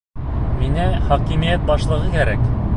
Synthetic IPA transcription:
minæχɒkimijæt̪̚bɑʃlˠɤ̆ʁɤkæɾæk

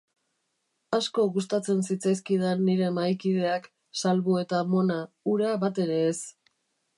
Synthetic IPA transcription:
asko̞ɣus̬t̪at͡se̞nsit͡sajskið̞aniɾe̞majkiðe̞ak | salβue̞t̪amo̞na | uɾaβat̪e̞ɾe̞ːs

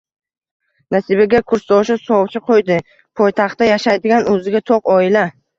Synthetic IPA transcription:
nasibeɡʲakʰʊɾst̪ɒʃɪsɒwt͡ʃʰɪqʰojd̪ɪ | pʰɒjt̪ʰɑχt̪ːajaʃajd̪ɪɡʲanɵzɪɡʲat̪ʰoqɒɪla

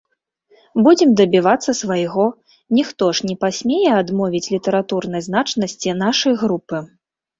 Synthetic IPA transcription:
bud͡zʲɛmd̪ɐbʲivat̪sːɐsvajɣɔ | nʲixt̪ɔʂnʲɛpasʲmʲejɛad̪mɔvʲit͡sʲlʲit̪ɐɾat̪urnɐjznat͡ʂnɐsʲt͡sʲin̪aʂɐjɣɾupɨ

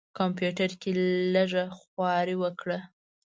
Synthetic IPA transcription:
kompjuʈaɾkeləʐaxwɑɾiwəkɽa

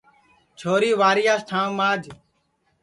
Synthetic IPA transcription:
t͡ʃʰoːɾiːʋaːɾɪjaːsʈ̪ʰãːnmãːd͡ʒʱ

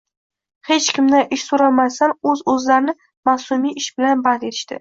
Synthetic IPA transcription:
het͡ʃkʲʰɪmd̪aʔɪʃsoɾalˠmasanɵzɵzlaɾɪnɪ | masʊmijʔɪʃbɪlanbad̪e̞t̪ʰɪ̥ʃt̪ɪ̰

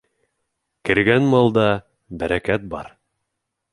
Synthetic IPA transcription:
kɘ̆ɾɡænmɑlˠd̪ɑ | bæɾækæt̪̚bɑ̰ɾ

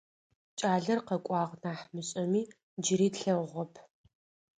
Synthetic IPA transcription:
t͡ʃʼaːɮɐrqɐkʷʼɑːʁnaːħmɨɕʼɐmiː | d͡ʒɪɾiːtɬɐwʁɐpʰ

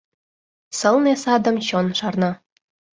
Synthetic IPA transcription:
sɤ̆lˠnesɑd̪ɤ̆mɕonʃɑrnɑ

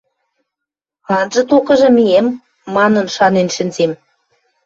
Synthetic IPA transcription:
ɑnʒɤ̆t̪okɤ̆ʒɤ̆mijemː | ɑnə̆nʃɑnenʃə̆nzem

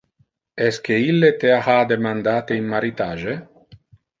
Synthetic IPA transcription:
ɛsk̟eilːet̪eahad̪emand̪aːt̪einmaɾit̪aːʒe

